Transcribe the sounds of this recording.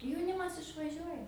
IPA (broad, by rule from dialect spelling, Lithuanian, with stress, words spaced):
jɛʊˈnʲɪmɐs ɪʃʋɐˈʒʲuɔjɛ